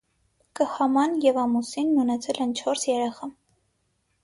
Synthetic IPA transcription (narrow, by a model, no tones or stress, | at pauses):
kəhɑmɑnjɛvɑmusinːənɛt͡sʰɛlɛnt͡ʃʰɔɾsjɛɾɛχɑ